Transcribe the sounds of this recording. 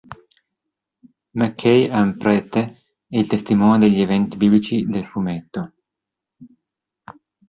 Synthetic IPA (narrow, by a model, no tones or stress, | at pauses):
makʰːɛjaumpɾɛt̪e | ɛilt̪est̪imɔːnjod̪eʎːievɛnt̪ibiːblit͡ʃid̪elfumet̪ːo